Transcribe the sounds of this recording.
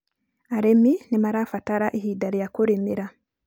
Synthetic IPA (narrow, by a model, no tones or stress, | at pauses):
aɾeminimaɾaːfataɾaʔiɦiːdaɾijakuɾimiɾa